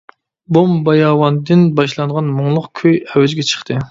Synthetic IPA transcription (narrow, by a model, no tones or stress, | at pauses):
bombɑjɑːwɑnd̪ɨnbɑʃlˠɑŋʁɑnmoŋlˠʊqkʲʰøjɛwɛd͡ʒɡʲɛt͡ʃʰə̥χt̪ʰɨ